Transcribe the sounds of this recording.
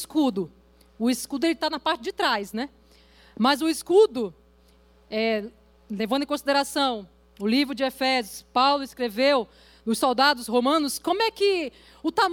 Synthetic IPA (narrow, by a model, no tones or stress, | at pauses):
skud̪ʊ | ʊiskud̪ʊelɪt̪anɐpaɾt͡ʃɪd͡ʒɪt̪ɾajsnɛ | mɐzʊiskud̪ʊ | ɛ | levɐ̃nd̪ʊẽkõsid̪eɾasɐ̃w̃ | ʊlivɾʊd͡ʒɪefɛzjʊspawlʊɪskɾevew | nʊsowd̪ad̪ʊsɦomɐ̃nʊskõmʊɛkɪ | ʊt̪am